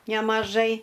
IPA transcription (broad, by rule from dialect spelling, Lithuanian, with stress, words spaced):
nʲɛmɐˈʒɐɪ